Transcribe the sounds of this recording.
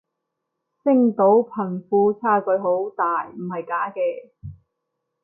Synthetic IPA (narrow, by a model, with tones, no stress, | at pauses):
sɪ˥ŋt̪o˨˥wpʰɐ˨˩nfuː˧t͡sʰaː˧˥kɵ˧ɥɦo˨˥wt̪aː˨jm̩˨˩hɐ˨jkaː˨˥kɛː˧